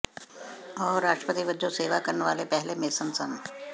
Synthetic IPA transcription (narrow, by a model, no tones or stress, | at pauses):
ɔːɾːaːʃʈɾəpət̪iʋəd͡ʒõseːʋakəɾnʋaːlepɛɦlemeːsənsən